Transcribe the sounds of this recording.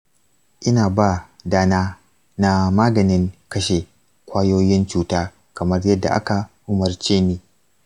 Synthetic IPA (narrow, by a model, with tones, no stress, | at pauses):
ʔɪ˦naː˨baː˦˨daː˦naː˦ | na˦maː˦ɡɐ˨nɪ˦ŋkɐ˦ʃe˨ | kʷaː˦joː˦jɪ˦nt͡ʃuː˦taː˦ | kɐ˨mɐ˦rjɐ˦dːa̰˨ʔa˦ka˨ʔʊ˦mɐ˦rt͡ʃeː˦niː˦